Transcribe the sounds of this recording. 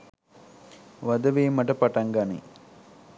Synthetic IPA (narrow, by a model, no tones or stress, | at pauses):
ʋɐd̪ɐʋeːmɐʈɐpɐʈɐŋɡɐnḭ